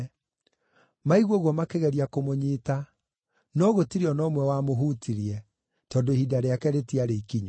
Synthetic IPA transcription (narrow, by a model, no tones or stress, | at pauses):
maiɣwɔɣwɔmakeɣɛɾiakomoɲiːta | nɔɣotiɾeɔnɔmwɛwamoɦutʰiɾiɛ | tɔːndohidaɾeakɛɾetiaɾeikiɲɔ